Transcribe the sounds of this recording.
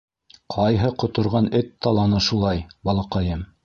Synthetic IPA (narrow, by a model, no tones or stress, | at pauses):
qʰɑjɦɤqŏt̪ŏɾʁɑnɵt̪ːɑlˠɑnɤʃulˠɑjbɑlˠɑqɑjɤm